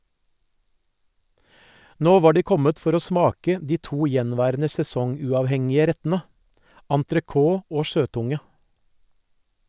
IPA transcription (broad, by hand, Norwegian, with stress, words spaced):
ˈnoː ˈʋɑː ˈɖiː ˈkɔmət ˈfɔɾ ˈoː ˈsmɑːkə ˈdiː ˈtuː ˈjɛnˌʋæːɾənə sɛˈsɔŋˌʉːɑːʋˌhɛŋɪə ˈɾɛtn̩ə ɑntɾəˈkoː ˈoː ˈʃøːˌtʊŋə